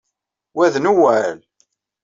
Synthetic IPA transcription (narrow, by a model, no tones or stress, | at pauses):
wæðnuwæl